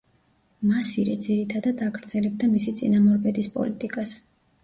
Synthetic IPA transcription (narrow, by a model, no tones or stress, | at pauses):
masiɾɛd̪ziɾit̪ʰad̪ad̪aɡɾd̪z̥ɛlɛb̚d̪amisit̪sʼḭnamɔɾbɛd̪ispʼɔ̰lit̪ʼikʼas